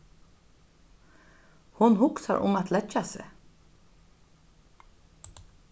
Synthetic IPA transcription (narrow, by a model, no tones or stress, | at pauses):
hʊnhʊksa̰ɾʔʊ̰mat̪lɛt͡ʃasɪ̰